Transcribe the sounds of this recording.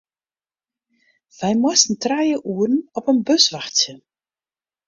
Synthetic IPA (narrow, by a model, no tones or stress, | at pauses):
vɛjmɔstn̩trajəʔuərn̩ɔpənbøsʋaxtjə